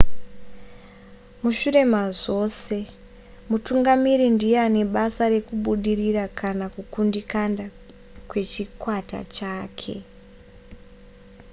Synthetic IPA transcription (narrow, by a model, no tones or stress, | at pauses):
muʃuɾe̞maʐo̞ːse̞ | mutuŋɡamiɾindiane̞ɓasaɾe̞kuɓuɗirirakʰanakukundikanda | kwe̞t͡ʃikwata̰t͡ʃaːkʰe̞̰